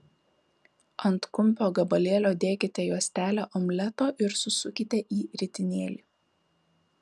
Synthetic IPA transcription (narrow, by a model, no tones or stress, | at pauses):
ɐnt̪kʊmʲˑpʲoːɡɐbɐlʲeːlʲoːd̪ʲeːkʲɪt̪ʲɛjuɔsʲt̪ʲæːlʲæːʔɔmʲlʲɛt̪oːʔɪɾsʊsʊkʲɪt̪ʲɛʔiːɾʲɪt̪ʲɪnʲeːlʲiː